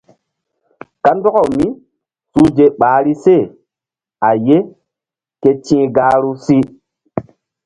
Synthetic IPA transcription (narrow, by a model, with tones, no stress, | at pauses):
ka˨˦n˦dɔ˦ɔ˨mi˦ | su˦d͡ʒe˨ɓaː˨˦ɾi˦se˦˨ | a˨je˦ | ke˦t͡ʃĩː˦ɡaː˦ɾu˦si˦